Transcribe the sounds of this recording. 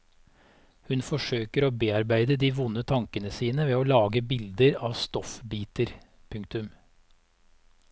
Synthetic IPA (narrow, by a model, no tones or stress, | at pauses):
hʉnfɔʂøːkəɾoːbeːɑɾbæɪd̪əd̪iːʋʊnːət̪ʰɑŋkənəsiːnəʋeːoːlɑːɡəbɪld̪əɾɑːʋst̪ɔfbiːt̪əɾ | pʰʉŋk̚t̪ʉm